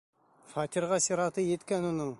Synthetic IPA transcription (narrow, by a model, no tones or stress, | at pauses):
fɑt̪ʲiɾʁɑsiɾɑt̪ɤjet̪kænonɤɴ